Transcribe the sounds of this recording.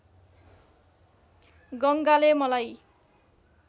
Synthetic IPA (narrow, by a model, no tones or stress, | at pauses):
ɡʌŋɡalemʌlaj